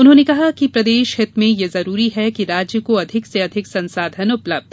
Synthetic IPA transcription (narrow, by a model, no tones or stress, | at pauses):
ʊnɦõːnekɐɦakipɾɐd̪eːʃɦɪt̪mẽjezɐɾuːɾiɦɛkiɾaːd͡ʒjəkoɐd̪ʱɪkseɐd̪ʱɪksɐ̃nsaːd̪ʱənʊpləb̚d̪